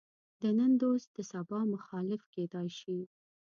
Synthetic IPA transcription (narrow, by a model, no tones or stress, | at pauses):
d̪ənənd̪ost̪d̪̥əsabɑmʊxɑlɪfked̪ɑjʃi